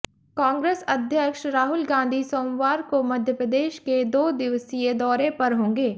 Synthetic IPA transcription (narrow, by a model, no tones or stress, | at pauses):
kãːŋɡɾeːsɐd̪ʱjəkʃɾaːɦʊlɡãːnd̪ʱisoːmwaːɾkomɐd̪ʱjəpɾəd̪eːʃked̪oːd̪ɪʋsied̪ɔːɾepɐɾɦõːŋɡeː